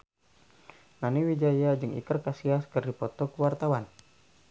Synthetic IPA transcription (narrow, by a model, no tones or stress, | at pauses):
naniwid͡ʒajad͡ʒɨŋḭkərkasiaskɨrdipɔt̪ɔkwart̪awan